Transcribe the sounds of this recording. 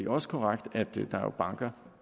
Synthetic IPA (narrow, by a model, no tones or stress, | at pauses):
eɒ̽sə̥kʰɒʁaɡ̥d̥æd̥d̥ɑ̰̈o̰b̥ɑ̈ŋ̰ɡ̥ɐ